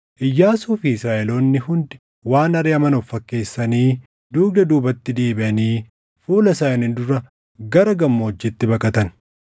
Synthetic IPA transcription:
ʔɪjːaːsuːfiɪsɾaːʔɛlo̞ːnːɪhʊnd̪ɪ̥ | waːnɐɾɪɐmɐnɔfːɐkːe̞ːsːɐniː | d̪uːɡ̚d̪ɐd̪uːbɐt̪ːɪd̪eːbɪʔɐniː | fuːlɐsaːɐnɪnd̪ʊɾɐ | ɡɐɾɐɡɐmːoɔd͡ʒːɛt̪ːɪbɐkʼɐt̪ɐn

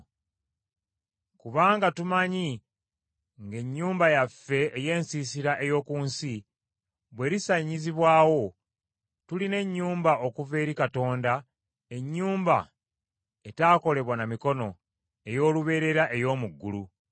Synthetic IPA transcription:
kuβaːŋɡatumaɲi | ŋɡe̞ɲːuːmbajafːe̞ːje̞ːnsiːsiɾaʔe̞jo̞ːkuːnsi | βwe̞ːɾisaɲiziβwaːwo̞ | tuline̞ɲːuːmbaʔo̞kuve̞ːɾikato̞ːnda | e̞ɲːuːmba̰ | e̞taːko̞le̞βwanamiko̞no̞ | e̞jo̞ːluβe̞ːɾe̞ɾaʔe̞jo̞ːmuɡːulu

